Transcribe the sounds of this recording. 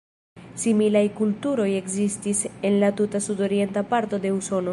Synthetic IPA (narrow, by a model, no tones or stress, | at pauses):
similajkultuɾo̞je̞kzistise̞nlatutasudo̞ɾie̞ntapaɾto̞de̞uso̞no̞